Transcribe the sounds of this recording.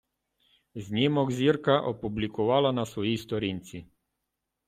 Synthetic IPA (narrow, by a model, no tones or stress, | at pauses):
znimɔɡzʲiɾkaʔɔpublikɔʋaːlanasʋɔjist̪ɔɾint̪si